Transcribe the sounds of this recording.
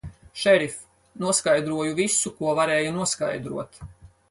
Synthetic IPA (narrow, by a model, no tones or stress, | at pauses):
ʃɛɾif | nuɔskajd̪ɾuɔjuvisukuɔvaɾeːjunuɔska̰jd̪ɾṵɔt̪